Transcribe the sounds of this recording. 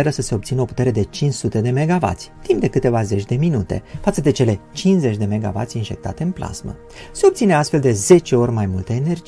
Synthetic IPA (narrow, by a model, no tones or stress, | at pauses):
eɾəsəse̞obt̪sinəo̞put̪e̞ɾe̞d̪e̞t͡ʃint͡ʃsut̪e̞d̪e̞me̞ɡava̰t̪sʲt̪impd̪e̞kɨt̪e̞vaze̞t͡ʃʲd̪e̞minut̪e̞̰fat̪səd̪e̞t͡ʃe̞le̞t͡ʃinze̞t͡ʃʲd̪e̞me̞ɡa̰va̰t̪sʲinʒe̞k̚t̪a̰t̪e̞ɨnplʔa̰z̥mə̰ | se̞o̞b̚t̪sine̞ast̪fe̞ld̪e̞ze̞t͡ʃe̞o̞rʲmajmult̪əene̞rd͡ʒi